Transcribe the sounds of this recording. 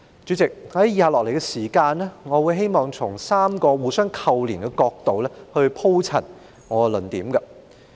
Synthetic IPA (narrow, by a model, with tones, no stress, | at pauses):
t͡ʃyː˨˥t͡sɪ˨k̚hɐ˨˦jjiː˨˧haː˨lɔː˨˩le˨˩jkɛ˧siː˨˩kaː˧nlɛ˥ŋɔː˨˧wuː˨˧jɦe˥jmɔː˨˩ŋt͡sʰʊ˨˩ŋsaː˥mkɔː˧wuː˨˧sœː˥ŋkʰɐ˨˧wliː˨˩nkɛ˧kɔː˧k̚t̪o˨wlɛː˥hɵ˧ɥpʰo˥wt͡sʰɐ˨˩n | ŋɔː˨˧lnt̪iː˨˥mkɐ˧